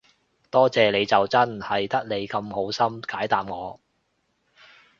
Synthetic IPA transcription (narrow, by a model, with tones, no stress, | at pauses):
t̪ɔː˥t͡sɛː˨le˨˧jt͡sɐ˨wt͡sɐ˥nhɐ˨˩jt̪ɐ˥k̚le˨˧jkɐ˧mho˨˥wsɐ˥mkaː˨˥jt̪aː˨mŋɔː˨˧